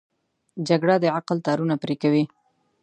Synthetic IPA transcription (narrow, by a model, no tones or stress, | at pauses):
d͡ʒaɡɽad̪əaqlt̪ɑɾunapɾekawi